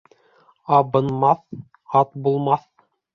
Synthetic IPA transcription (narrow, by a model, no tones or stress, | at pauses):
ɑbɤ̆nmɑθ | ɑt̪bulˠmɑθ